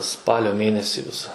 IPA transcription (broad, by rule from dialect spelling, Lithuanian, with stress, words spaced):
ˈspɑːlʲoː ˈmʲeːnʲɛsʲiː ˈʋʲɪsɐ